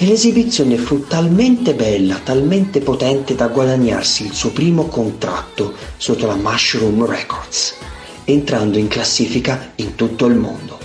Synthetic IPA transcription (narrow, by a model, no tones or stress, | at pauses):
elezibit̪sːjoːnefut̪ːalmɛnt̪ebɛlːat̪alment̪epot̪ɛnt̪ed̪aɡwad̪aɲːa̰rsiːlsuːpɾiːmokont̪ɾa̰t̪ːosot̪ːolamaʃɾumrɛ̰kɔrd̪s | ent̪ɾand̪oiŋklasːiːfikaint̪ut̪ːoilmo̰nd̪o